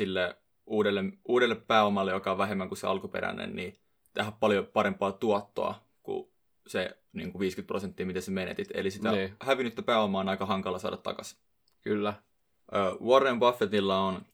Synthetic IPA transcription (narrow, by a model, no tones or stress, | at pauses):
silːe | uːdelːemuːdelːeppæːomɑlːejokɑoʋʋæɦemːæŋkuseɑ̰lkupḛɾæ̰nḛnni | t̪eɦæppɑljopɑɾempˑɑːt̪uɑt̪ːo̰ɑ̰ | kṵ | se | nḭːŋkuʋiːskyt̪̚prosent̪ːiːmit̪esemenḛt̪it̪ḛlisiæhæʋinːyt̪ːæpæːomɑːnɑikɑhɑŋkɑlːˑɑsɑ̰ːdʔɑt̪ːɑ̰kɑs | kylːæ | ʔøːʋorembɑfːet̪ilːɑon